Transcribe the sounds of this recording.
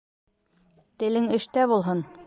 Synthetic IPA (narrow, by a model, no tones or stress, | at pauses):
t̪ɘ̆lɘŋɘ̆ʃt̪æbulˠɦɤn